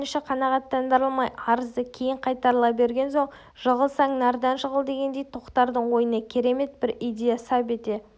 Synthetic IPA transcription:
nʃɪqʰɑnɑʁɑt̪ːɑnd̪əɾəlˠmɑjɑɾəzd̪əkʲʰe̞jɪɴqʰɑjt̪ɑɾlˠɑpbe̞ɾɡʲe̞nso̞ɴ | ʒ̥əʁəlˠsɑŋnɑɾd̪ɑnʃəʁəlˠd̪e̞ɡʲe̞nd̪e̞jt̪ʰoqt̪ɑɾd̪əɴwo̞jənɑkʲʰe̞ɾe̞me̞t̪̚bɪɾijd̪ʲe̞jasɑpe̞t̪e̞

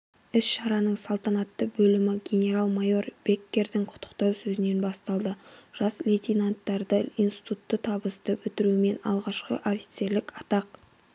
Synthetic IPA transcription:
ɪsʃɑɾɑnəɴsɑlˠt̪ɑnɑt̪ːəbɵlɪmɪɡʲe̞nʲe̞ɾalˠmajo̞rb̥e̞kʲːe̞ɾd̪ɪŋqʰʊ̥t̪ʰːə̥qt̪ɑwsɵzɪne̞nbɑst̪ɑlˠd̪əʒ̥ɑslʲet̪ʲinant̪ːɑɾd̪əinst̪i̥t̪ut̪ːət̪ʰɑbəsd̪əbʏt̪ɪɾuɪme̞nɑ̰lˠʁɑʃqə̰ʔofʲi̥t̪selɪkɑt̪ɑq

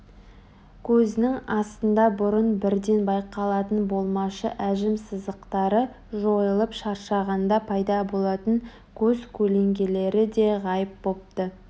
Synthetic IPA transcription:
kʲʰɵzɪnɪŋɑst̪ənd̪ɑbʊɾənbɪɾd̪e̞nbɑjqɑlˠɑt̪ənbo̞lˠmɑʃə̰ʔæʒɪmsɪzd̪əqt̪ɑɾə | ʒo̞jəlˠəpʃɑɾʃɑʁɑnd̪ɑpʰɑjd̪ɑbo̞lˠɑt̪əŋ | kʲʰɵzkʲʰɵle̞ŋɡʲe̞le̞ɾɪd̪e̞ʁɑjəp̚bo̞p̚t̪ə

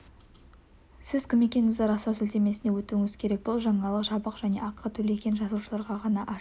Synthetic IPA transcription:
sɪzkʲʰɪme̞kʲe̞nɪzd̪eɾɑsɑwsɪlt̪e̞me̞sɪne̞wɵt̪uŋɪz̥kʲʰe̞ɾe̞k̚boʊlˠʒɑɴɑlˠəqʒɑbəqʒæne̞ɑqʰːət̪ʰɵle̞kʲe̞nʒɑsuʃəlˠɑɾʁɑʁɑnɑʔɑ

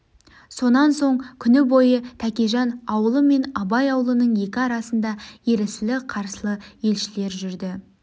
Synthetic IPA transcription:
so̞nɑnso̞ɴkʲʰʏnɪbo̞jət̪ʰækʲeʒɑnɑwəlˠəme̞nɑbɑjɑwəlˠənəɴje̞kʲɪɑɾɑsənd̪ɑje̞ɾɪsɪlɪqʰɑɾsəlˠəje̞lʃɪle̞ɾʒʏɾd̪ɪ

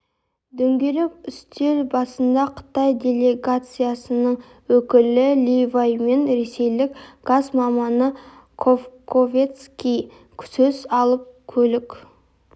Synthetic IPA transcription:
d̪ɵŋɡʲe̞lɪkʏst̪e̞ɾbɑsənd̪ɑqʰə̥t̪ɑjd̪ʲe̞lʲe̞ɡat̪sɨjasənəɴ | wɵkʲɪlɪlʲivajme̞nɾe̞se̞jlɪkɡ̥azmɑmɑnə | qʰofkʰovʲet̪skʲij | kʲʰsøzɑlˠəp̚kʲʰɵlɪkʲ

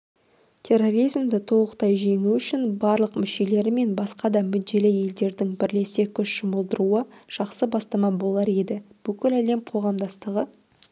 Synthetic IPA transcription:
t̪ʲʰe̞ro̞ɾijzmd̪ɪt̪ʰo̞lˠəqt̪ɑjʒe̞ŋuʏʃɪnbɑɾlˠəqmʏʃe̞le̞ɾɪme̞nbɑsqɑd̪ɑmʏd̪̚ːe̞lɪje̞ld̪e̞ɾd̪ɪŋbɪɾle̞se̞kʲʰʏʃʒ̥əməlˠd̪əɾuəʒ̥ɑqsəbɑst̪ɑmɑbo̞lˠɑɾe̞d̪ɪb̥ʏkʲɪlæle̞mqʰo̞ʁɑmd̪ɑst̪əʁə

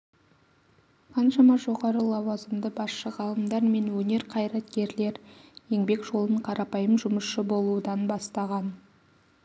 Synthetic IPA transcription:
qʰɑnʃɑmɑʒo̞ʁɑɾəlˠɑwɑzəmd̪əbɑsʃəʁɑlˠəmd̪ɑɾme̞nwɵne̞ɾqʰɑjɾɑt̪kʲe̞ɾle̞ɾje̞ŋbe̞kʒ̥o̞lˠəɴqʰɑɾɑpɑjəmʒʊməsʃəbo̞lˠuəd̪ɑnbɑst̪ɑʁɑn

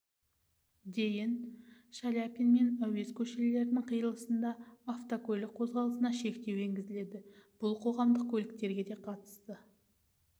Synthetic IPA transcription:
d̪e̞jɪnʃalʲapʲinme̞næwe̞skʲʰɵʃelɪle̞ɾɪnɪŋqʰəjəlˠəsənd̪ɑaft̪okolʲɪk̚qʰo̞zʁɑlˠəsənɑʃe̞kt̪e̞weŋɡʲɪzɪle̞d̪ɪb̥ʊlˠqʰo̞ʁɑmd̪əq̚kʰʲɵlɪk̚t̪e̞ɾɡʲe̞d̪e̞qʰɑt̪ə̥st̪ə

